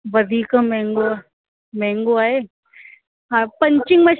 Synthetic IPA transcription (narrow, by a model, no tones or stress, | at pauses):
ʋɐd̪ʱiːkamɛ̃ːŋɡo | mɛ̃ːŋɡoaːɦeː | ɦapɐ̃ɲt͡ʃɪŋɡmɐ̃